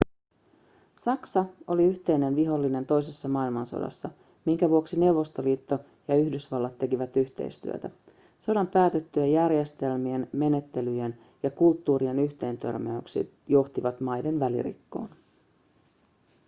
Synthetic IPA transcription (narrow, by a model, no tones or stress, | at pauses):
sɑksɑo̞liyçt̪e̞jne̞nʋiɦo̞lːine̞nt̪o̞js̬esːɑmɑːilmɑnso̰dɑ̰sːɑ | miŋkæʋuoksine̞uwʋo̞st̪o̞liːt̪ːo̞ | jɑyhdysʋɑlːɑt̪ːe̞kiʋæt̪yçt̪ḛjst̪y̰ø̰t̪æ | so̞dɑmpæːt̪e̞t̪ːyæjærje̞st̪e̞lmienme̞ne̞t̪ːe̞lyjen | jɑkult̪ːuːɾienyçt̪e̞ːnt̪ø̞̰rmeyksḭ | jo̞ht̪iʋɑt̪mɑjde̞nʋælḭɾḭkːo̞̰ːn